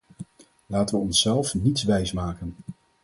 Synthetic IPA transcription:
laːtəʋəɔnsɛlˠfnitsʋɛjsmaːkən

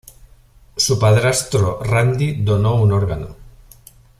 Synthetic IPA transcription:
supaðɾast̪ɾorand̪iðonounoɾɣano̰

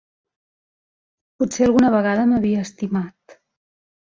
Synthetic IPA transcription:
putseəlˠɣunəβəɣaðəməβiəːst̪imat̪

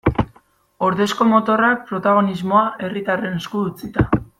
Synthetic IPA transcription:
o̞ɾðe̞sko̞mo̞t̪o̞rak̚pɾo̞t̪aɣ̞o̞nizmo̞aʔe̞rit̪are̞neskuðut͡sit̪a

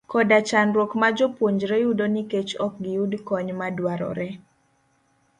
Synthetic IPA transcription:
kɔdat͡ʃanɾwokmad͡ʒopwoɲd͡ʒɾɛjudoniket͡ʃɔk̚ɡɪudkɔɲmadwaɾɔ̰ɾɛ

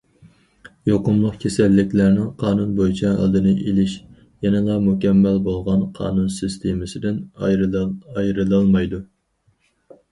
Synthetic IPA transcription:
joqʊmlˠəqkʲʰesɛlːɪkʲlæɾnɪŋqʰɑːnunbojit͡ʃʰɛɑ̰lˠd̪ɨnɨʔelɪʃ | jɛnɨlˠɑmukʲʰɛmːælbolˠʁɑnqʰɑ̰ːnunsist̪ʰemɨsɪd̪ɪn | ɑjɾɨlˠɑlˠmɑjd̪u

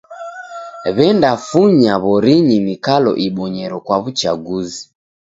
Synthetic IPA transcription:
βɛndafuɲaβɔɾiɲinikalɔ̰ʔiɓɔɲɛɾɔkwaβut͡ʃaɡuzi

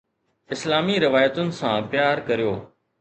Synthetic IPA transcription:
ɪslaːmiɾɪʋaːjət̪ʊnɪ̆sãːpjaːɾkɐɾijoː

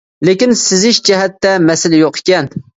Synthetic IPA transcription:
lekʲinsɪzɪʃd͡ʒɛɦɛt̪ːɛmɛsɪlɪjoqʰe̥kʲɛn

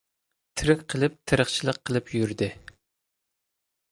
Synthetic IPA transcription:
t̪ʰɨɾɨqqʰːəlˠɨp̚t̪ʰɨɾəχt͡ʃʰilˠəqʰːəlˠɨpʰjyɾd̪ɪ

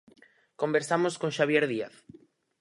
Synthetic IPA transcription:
kombeɾsamoskõŋʃaβ̞jeɾðia̰θ

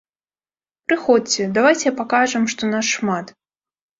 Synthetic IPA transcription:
pɾɨxɔt͡sʲɛd̪avajt͡sʲɛpakaʐɨmʂt̪ɔnasʂmat̪

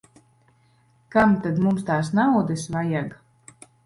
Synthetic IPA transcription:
kamt̪ad̪mumst̪aːs̬nawd̪ɨsvajaɡ

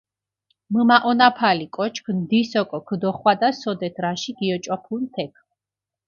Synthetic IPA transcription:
məmaʔɔnapʰalikʼɔt͡ʃʰkʰnd̪isɔkʼɔkʰd̪ɔχwad̪asɔd̪ɛt̪ʰɾaʃiɡ̥iɔt͡ʃʼɔpʰunt̪ʰɛkʰ

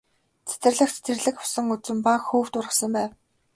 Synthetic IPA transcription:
t͡sʰe̥t̪ɘ̆rɮə̆xt͡se̥t̪ʰɘ̆rɮɘ̆kʊ̥wsə̆ŋut͡sɘ̆mpakxuːwt̪ʊrʁə̆sə̆mpæːw

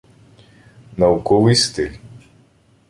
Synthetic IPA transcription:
nɐukɔʋɪjst̪ɪlʲ

